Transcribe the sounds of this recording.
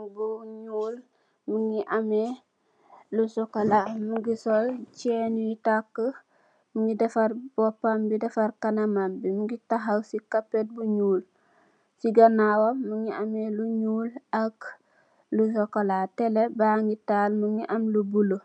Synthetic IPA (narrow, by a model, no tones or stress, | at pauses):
buɲuːl | muŋiʔame | lusɔkolamuŋɡisolt͡ʃɛnuitakːə | muŋɡidɛfaɾbɔpːambidɛfaɾkanamambimuŋɡitaɦawsikapːet̚buɲuːl | siɡanawoːuŋiameluɲuːlak | lus̬ɔkolatelebaŋɡitalmuŋiʔamlubulo